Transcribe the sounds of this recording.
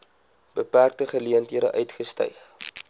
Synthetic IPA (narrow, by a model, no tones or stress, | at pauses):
b̥əpærk̚təχəliəntɦiədə̰ʔœɥtχəstœ̰jχ